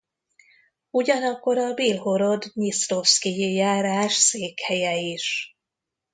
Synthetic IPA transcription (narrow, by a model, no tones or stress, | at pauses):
uɟɒnɒkːo̞ɾɒbilɦo̞ɾo̞d̪ɲist̪o̞fskijijaːɾaːʃseːkhɛjɛiʃ